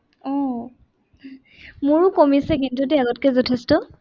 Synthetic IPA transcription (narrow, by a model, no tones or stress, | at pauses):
ɔ | mʊɹʊkomisɛkintutɛaɡɔtkɛzɔtʰɛstɔ